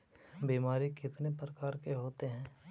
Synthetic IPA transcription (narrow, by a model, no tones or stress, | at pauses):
biːmaːɾikɪt̪nepɾəkaːɾkeɦoːt̪eɦɛ̃ː